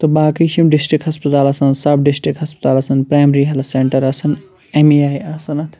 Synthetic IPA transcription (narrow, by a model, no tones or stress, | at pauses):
t̪obaːkiʃimɖisʈɾikɦɐspɐt̪aːlɐsɐnsɐbɖisʈɾikɦɐspɐt̪aːlɐsɐnpɾaːjmɾiːɦɐlfʰseɳʈɐɾɐsɐn | emijaːjɐsɐnɐt̪ʰ